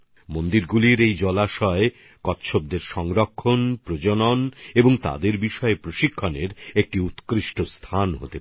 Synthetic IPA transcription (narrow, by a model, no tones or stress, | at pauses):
mond̪iɾɡuliɾejd͡ʑɔlaʃɔe | kɔt̪ʃʰob̚d̪eɾʃɔŋɾokʰːonpɾod͡ʑononeboŋt̪a̰d̪eɾbiʃɔepɾoʃikʰːaneɾek̚ʈiut̪kɾiʃʈost̪ʰanɦo̰t̪e